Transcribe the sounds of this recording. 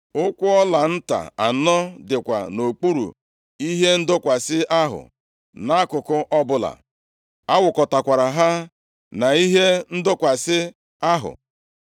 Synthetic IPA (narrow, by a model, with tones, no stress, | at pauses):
ʊ˦kʷʊ˦ɔ˦la˨n̩˦ta̰˨a̰˨nɔ˦dɪ˨kʷa̰˨no˨k͡pu˦ɾṵ˨ | i˦ɦe˦n̩˦dʊ˦kʷa˨sɪ˦ʔa˦ɦʊ̰˨ | na˦a˦kʊ˨kʊ˦ʔɔ˦bʊ˦la̰˨ | a˦wʊ˨kɔ˨ta˨kʷa˨ɾa˨ɦa˦ | na˨i˦ɦe˦n̩˦dʊ˦kʷa˨sɪ˦ | a˦ɦʊ̰˨